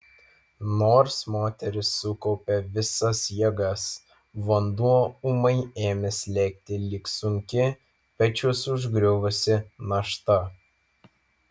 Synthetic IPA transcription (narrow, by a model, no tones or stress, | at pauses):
noːɾsmoːt̪ʲɛɾʲɪsːʊkɔʊpʲɛʋʲɪsɐsjɛɡɐs | ʋɔnd̪uɔʊmɐɪeːmʲɛsʲlʲɛk̚ʲt̪ʲɪlʲɪksʊŋʲkʲɪ | pʲɐt͡ʃʲʊsʊʒɡɾʲʊʋʊsʲɪnɐʃt̪ɐ